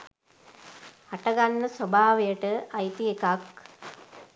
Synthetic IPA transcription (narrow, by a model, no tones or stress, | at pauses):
haʈəɡanːəsobʱaːʋejəʈəʔajt̪iekak